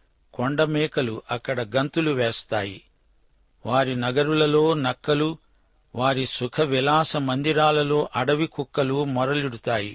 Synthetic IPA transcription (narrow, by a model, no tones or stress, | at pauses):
koɳɖɐmɛːkɐluʔɐkːɐɽɐɡɐnt̪uluʋeːst̪aːji | ʋaːɾinɐɡɐɾulɐlo̞ːnɐkːɐlu | ʋaːɾisukʰɐʋilaːsɐmɐnd̪iɾaːlɐlo̞ːʔɐɽɐʋikukːɐlumɔɾɐliɽut̪aːji